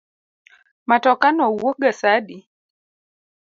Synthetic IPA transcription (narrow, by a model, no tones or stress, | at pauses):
matɔkanɔwoɡasadi